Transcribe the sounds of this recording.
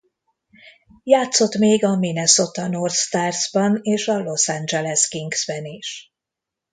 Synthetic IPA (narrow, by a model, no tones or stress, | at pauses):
jaːt̪so̞t̪meːɡɒminɛso̞t̪ɒnorst̪aːrzbɒneːʃɒlo̞sand͡ʒɛlɛskiŋɡz̥bɛniʃ